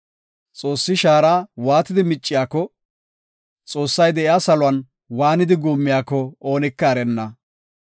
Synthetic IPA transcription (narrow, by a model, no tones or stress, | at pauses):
t͡sʼo̞ːsːɪʃaːɾaːwaːt̪ɪd̪ɪmɪt͡ʃʼːɪjaːkːɔ | t͡sʼo̞ːsːɐjd̪ɛʔɪaːsɐlʊɐn | waːnɪd̪ɪɡuːmːɪjaːkːɔo̞ːnɪkːɐːɾɛnːɐ